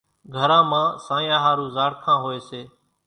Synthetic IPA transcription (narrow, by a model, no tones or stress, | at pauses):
ɡʱəɾãːmãːsãːjãːɦaːɾũːzaːɽkʰãːɦoːeːseː